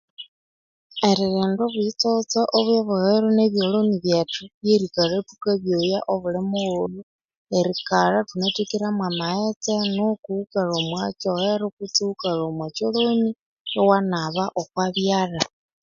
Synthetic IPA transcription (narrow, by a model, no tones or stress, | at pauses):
eɾiɾeːndoβwit͡sot͡saʔoβwjeβuheɾoneβjoloniβjetuβjeɾikaɾetukaβjojaʔoβulemooɾju | eɾikaɾatunetikiɾamwamahet͡senokuukaɾomwat͡ʃoheɾokut͡suukaɾomwat͡ʃoloni | jowanaβaʔokwaβjara